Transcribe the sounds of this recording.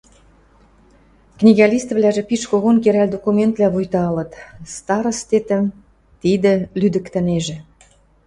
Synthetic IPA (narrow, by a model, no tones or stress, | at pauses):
knʲiɣɑlʲist̪vlʲæʒĕpiʃkoɣonkeɾæld̪okument̪lʲæβujt̪ɑɑlə̆t̪st̪ɑɾə̆st̪et̪ə̆m | t̪id̪ə̆lyd̪ə̆kt̪ə̆neʒĕ